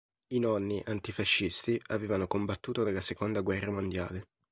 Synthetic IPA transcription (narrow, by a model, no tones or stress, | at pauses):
inɔnːiʔant̪ifaʃːist̪iaveːvanokombat̪ːuːt̪onelːasekond̪aɡwɛrːamond̪jaːle